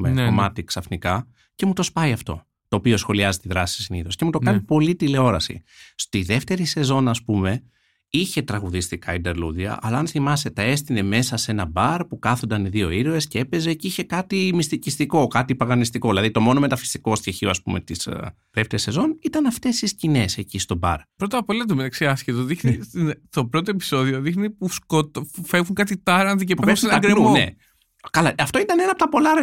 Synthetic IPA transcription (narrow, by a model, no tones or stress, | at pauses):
mekomɐt̪iksɐfnikɐ | ce̞mut̪o̞spɐiɐft̪o̞̰ | t̪o̞ːpio̞sxo̞liɐzet̪iðɾɐsi̥siniθo̞scemut̪o̞kɐnipo̞lit̪ileo̞ɾɐsḭst̪iðe̞ft̪e̞ɾise̞zo̞nɐspume̞ | içe̞t̪ɾɐɣuðist̪ikɐid̪eɾluðiɐ̰ʔɐ̰lɐːnθimɐse̞t̪ɐe̞st̪ine̞me̞sɐse̞nɐbɐɾpukɐθond̪ɐniðio̞iɾoe̞sceepe̞ze̞ceiçe̞kɐt̪imist̪icist̪iko̞kɐt̪ipɐɣɐnist̪iko̞ðilɐðit̪o̞mo̞no̞me̞t̪ɐfi̥st̪i̥ko̞st̪çeçio̞ɐspṵme̞̰t̪is | ðeft̪eɾese̞zonit̪ɐnɐft̪e̞siscine̞se̞cist̪o̞bɐ̰ɾpɾo̞t̪ɐpolɐt̪̬omet̪ɐksiɐsçet̪oðixnist̪int̪o̞pɾo̞t̪̬oe̞pi̥so̞ðio̞ðixnipuskot̪fevuŋkɐt̪̬it̪ɐɾɐnt̪icepfsenɐɾenḛ | kɐlɐɐft̪o̞it̪ɐne̞nɐpot̪ɐpo̞lɐɾ